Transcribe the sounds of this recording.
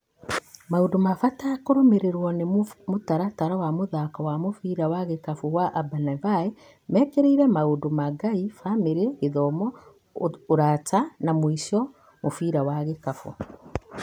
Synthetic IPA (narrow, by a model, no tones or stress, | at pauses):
maodomafataːkoɾomeɾeɾwɔnemotaɾataɾawamoðakawamofiɾawaɣekafuɣwaʔabanavae | mɛkeɾeiɾɛmaodomaɡaifameɾeeðɔmɔ | oɾatanamwiʃɔ | mofiɾawaɣekafo̰